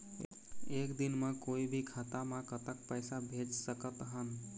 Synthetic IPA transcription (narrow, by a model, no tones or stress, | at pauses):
ekd̪inmãkoibʱikʰat̪amãkət̪ək̚pəjsabʱed͡ʒsəkət̪ɦən